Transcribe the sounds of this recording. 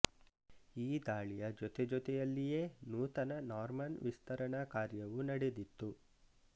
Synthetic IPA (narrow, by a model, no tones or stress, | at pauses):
iːd̪aːɭijɐd͡ʒɔt̪ɛd͡ʒɔt̪ɛjɐlːije̞ːnuːt̪ɐnɐnaːɾmɐnʋist̪ɐɾɐɳakaːɾjɐʋunɐɽed̪it̪ːu